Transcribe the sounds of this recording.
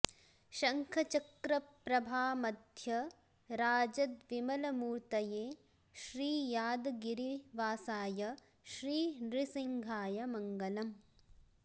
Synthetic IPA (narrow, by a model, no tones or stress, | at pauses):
ʃɐŋkʰɐt͡ʃɐkɾɐpɾɐbʱaːmɐd̪ʱjɐ | ɾaːd͡ʒɐd̪ʋimɐlɐmuːɾt̪ɐjeː | ʃɾiːjaːd̪ɡiɾiʋaːsaːjɐ | ʃɾiːnɾisiŋɡʱaːjɐmɐŋɡɐlɐm